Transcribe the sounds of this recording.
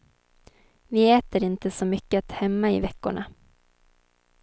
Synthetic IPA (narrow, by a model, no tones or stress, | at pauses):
vɪɛːt̪əɾɪnt̪əsɔmʏkːəat̪hɛmːaɪ̰vɛkːʊɳa